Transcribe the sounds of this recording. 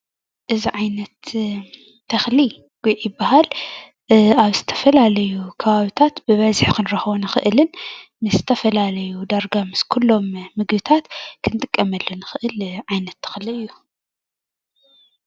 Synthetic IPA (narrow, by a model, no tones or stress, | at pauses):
ʔɨziʕajnɐt̪ːʰ | ɐxli | ɡ̥ujʔjɪbːaɦal | aβzɨt̪ʰɐ̥fɐlalɐjukʰɐβaβit̪ʰat̪bɨβɐzħkʰɨnɾɐxβonɨxɨʔɨlɨnmɨszɨt̪ʰɐfɐlalɐjud̪aɾɡamɨskʰulːo̞mːɨɡbɨt̪ʰat̪kʰɨnt̪ʼɨkʼːɐmɐlːonɨxɨʔɨlʕajnɐt̪ʰːɐ̥xliɨjːu